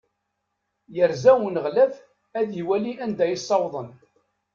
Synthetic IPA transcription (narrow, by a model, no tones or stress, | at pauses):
jəɾzæwnəʁlæv | æðjiwæliʔænd̪æjisˤːɑwðˤən